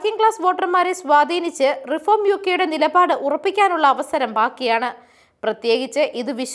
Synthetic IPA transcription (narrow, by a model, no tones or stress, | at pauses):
kiŋɡɭaːsʋo̞ːʈːɐrmaːɾesʋaːd̪ʱiːnit͡ɕːɨrifoːrmjuːkːejuɽe̞nilɐbaːɽɨʔurɐpːikʲːaːnuɭːɐːʋɐsɐɾɐmbaːkːijaːɳɨ | prɐt̪je̞ːɡit͡ɕːɨʔiðɨʋiʂ